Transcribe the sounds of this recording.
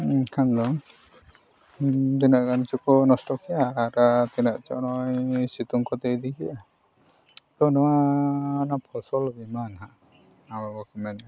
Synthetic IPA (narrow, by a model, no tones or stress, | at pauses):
kʰand̪ɔŋ | d̪inaʔɡant͡ʃukɔnɔsʈɔkʰɛaːɾat̪inaʔt͡ʃɔ̰ʔnɔjsit̪uŋkɔt̪ejd̪ikʰiʔa | t̪ɔnɔwanapʰɔsɔlbimanɦa | awabɔkɔmɛna